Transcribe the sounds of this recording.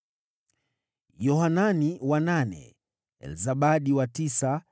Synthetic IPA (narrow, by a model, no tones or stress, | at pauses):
jɔhananiwananɛ̰ | ɛ̰lzaɓaɗiwatisa